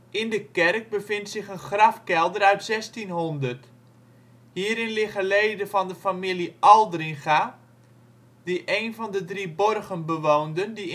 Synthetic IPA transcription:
ʔɪndəkɛrk̚bəfɪntsɪχənχrɑfkɛlˠdərœɥtsɛstinɦɔndərt | hiːɾɪnlɪχəleːdəvɔndəfamiliʔɔlˠdrɪχa | d̥iʔeːnvɔndədribɔrɣənbəʋowndəndi

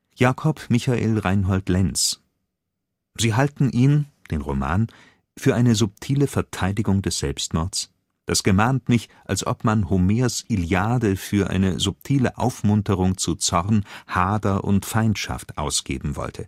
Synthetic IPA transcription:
jaːkʰɔpmɪçaʔḛːlʁaɪnɦɔltlɛns | ziːɦaltn̩ʔiːnd̥eːnʁo̰ma̰ːn | fyːɐʔaɪnəzʊp̚tʰiːləfɛɐtʰaɪdɪɡʊŋdɛsz̥ɛlpstmɔɐts | d̥asɡ̥əmaːntmɪçʔalsʔɔ̰pmanhomeːɐsiljaːdəfyːɐʔa̰ɪnə̰zʊp̚tʰiːləʔa̰ʊfmʊntəʁ̞ʊŋt͡sut͡sɔʁnhaːdɐʔʊ̰ntfaɪntʃa̰ftʔa̰ʊsɡ̥ḛːbm̩vɔ̰ltʰə

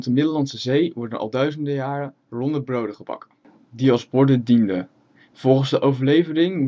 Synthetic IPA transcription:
təmɪdəlɑntsəzejʋɔɹdənʔɑ̰lˠdœɥzəndəjaːrə | rɔndəbrowdəχəbɑ̰k | diɑlˠzbɔɹdədində̰ | v̥ɔlˠχənzdəʔowvəɹlejvərɪŋ

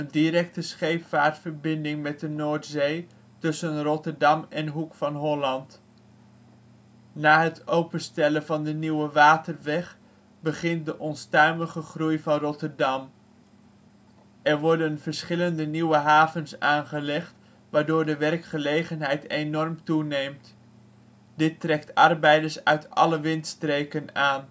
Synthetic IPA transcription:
əndiɾɛk̚təsχejpfaːɹtfəɹbɪndɪŋmɛt̚dənoːɹtzej | tɵsənrɔtəɹdɑmɛnɦukfɑnɦɔlɑnt | naːɦətowpənstɛləvɑndəniwəʋaːtərʋɛχ | bəχɪnt̚dəʔɔnstœɥməχəχrujvɑnrɔtəɹdɑm | ɛɹʋɔɹdənv̥əɹsχɪləndəniwəɦaːvənsaːnχəlɛχt | ʋaːɹdʊːɹdəʋɛrkχəlejχənɦɛjtenɔrmtunejmt | dɪtrɛktɑrbɛjdəɹsœɥtɑ̰ləʋɪntstrejkənaːn

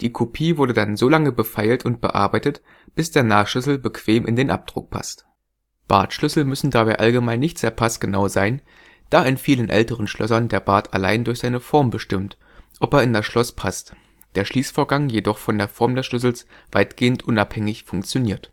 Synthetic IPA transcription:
d̥iːkʰopʰiːvʊɐdədanzoːlaŋəbəfaɪltʊnt̚b̥ə̰ʔa̰ɐbaɪtət | b̥ɪsd̥eːɐnaːχʃʏsl̩bəkv̥eːmʔɪ̰ndeːnʔa̰p̚d̥ʁʊ̰k̚pʰa̰st | b̥a̰ɐtʃlʏsl̩mʏsn̩dabaɪʔalɡəmaɪnːɪçtz̥eːɐpʰastɡ̥ənaʊzaɪn | d̥aːɪnfiːlənʔɛ̰ltəʁ̞ənʃlʔœsɐndeːɐbaɐtʰa̰la̰ɪndʊɐçz̥aɪnəfɔɐmbəʃtɪmt | ʔɔpeːɐɪndasʃlɔspʰast | d̥eːɐʃliːsfoːɐɡaŋjedɔχfɔndeːɐfɔɐmdɛsʃlʏs̬l̩s | v̥aɪtɡ̥eːəntʔʊnaphɛŋɪçfʊŋkt͡sjoniːɐt

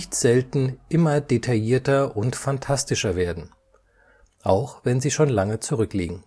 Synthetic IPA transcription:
çtz̥ɛltn̩ʔɪmɐdetʰajiːɐtɐʔʊntfantʰastɪʃɐveːɐdn̩ | ʔaʊxv̥ɛnziːʃoːnlaŋət͡suʁʏklḭːɡŋ̩

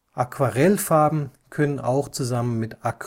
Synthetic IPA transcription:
ʔakv̥aʁɛlfaɐbm̩kʰœnəna̰ʊxt͡suzamənmɪtʔak

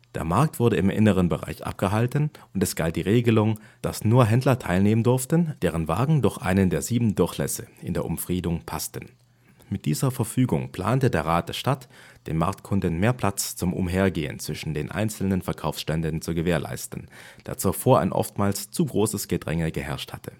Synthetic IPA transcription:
d̥ḛːɐmaɐk̚tv̥ʊɐɾəɪmʔɪ̰nəʁ̞ənbəʁa̰ɪçʔa̰p̚ɡ̥əɦaltən̩ʊntɛsɡ̥alt̚d̥iːʁeːɡəlʊŋd̥asnuːɐɦɛndlɐtʰaɪlneːməndʊɐftənd̥eːʁ̞ənva̰ːɡŋ̩dʊɐçʔa̰ɪnəndeːɐziːbm̩dʊɐçlɛ̰səʔɪ̰ndeːɐʔʊ̰mfʁ̥iːdʊŋpʰastən̩ | mɪt̚d̥iːzɐfɛɐfyːɡʊŋpl̥a̰ːntədeːɐʁaːt̚d̥eɐʃtatd̥eːnma̰ɐk̚tkʰʊndən̩meːɐpʰl̥at͡st͡sʊmʔʊ̰mɦeːɐɡeːə̰nt͡sv̥ɪʃn̩deːnʔa̰ɪnt͡sl̩nənfɛɐkʰaʊfsʃtɛndənt͡suɡəveːɐlʔa̰ɪstn̩d̥aːɐt͡sufoːɐa̰ɪnʔɔ̰ftmaːlst͡suːɡʁoːsəsɡ̥ədʁɛ̰ŋəɡəhɛɐʃthatʰə̥

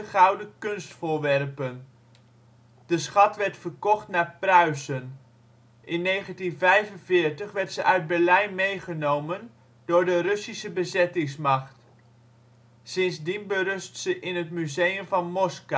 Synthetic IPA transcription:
əχɑwdəkɵnstfʊːɹʋɛrpən | dəsχɑtʋɛɹtfəɹkɔχtnaːɹprœɥsən | ʔɪnːejχəntinvɛjvənvɪːɹtəχʋɛɹtsəʔœɥd̚bɛɹlɛjnmejχənowmən | dʊːɹdərɵsisəbəzɛtɪŋsmɑχt | sɪnsdinbərɵstsəʔɪnətmyzejəmvɑnmɔska

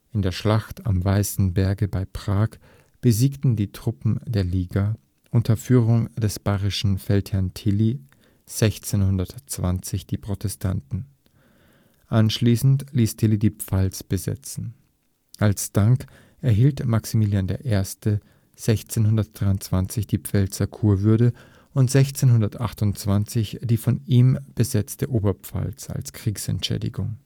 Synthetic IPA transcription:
ʔɪndeːɐʃlaxta̰mvaɪsn̩bɛɐɡəbaɪpʁ̥aːk | b̥əziːktn̩diːtʁ̥ʊpm̩deːɐliːɡa | ʔʊntʰɐfyːʁʊŋd̥ɛsb̥aɪʁɪʃn̩fɛlthɛɐntʰɪli | z̥ɛçt͡senhʊndɐtt͡sv̥a̰nt͡sɪçd̥iːpʁ̥otʰɛstʰa̰ntn̩ | ʔanʃliːsn̩tliːstʰɪlidiːpp͡falsb̥əzɛ̰t͡sn̩ | ʔalsd̥aŋk | ʔɛɐɦiːltmaksimiːljandeːɐʔeːɐstə | z̥ɛçt͡senɦʊndɐt̚d̥ʁaɪʊnt͡sv̥ant͡sɪçd̥iːp͡fɛlt͡sɐkʰuːɐvʏɐdə | ʊntz̥ɛçt͡seːnɦʊndɐtʔaχtʊnt͡sv̥ant͡sɪçd̥iːfɔniːmb̥əzɛt͡stəʔoːbɐpp͡fa̰lsa̰lskʁ̥iːksɛ̰ntʃɛ̰ːdɪ̰ɡʊŋ

